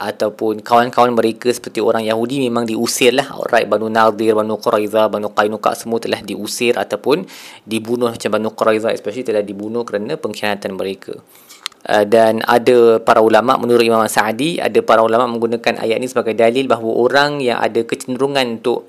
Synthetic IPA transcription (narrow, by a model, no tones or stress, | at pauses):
ʔat̪awpʊnkawankawanməɾekəsə̥pərt̪ioɾaŋjaɦudimẽmãŋdiusɪrlahrajt̪̚banunad̪ɪrbanuqɔɾajðabanuqajnuka̰ʔsəmuət̪əlahdiʔusɪrʔat̪awpʊndibunʊhmat͡ʃambanuqɔɾajzaɛ̰spɛʃalit̪əlahdibunʊhkəɾanapəŋkianat̪anməɾekʰa̰ | ʔədana̰dapaɾaulama̰ʔmənuɾʊt̪̚imamasadia̰dapaɾaulamaʔmə̃ŋɡunãkanʔa̰jaʔnisəbaɡajdalɪlbaɦwəʔoɾaŋja̰ŋa̰dakət͡ʃənd̪əɾuŋãnunt̪ʊʔ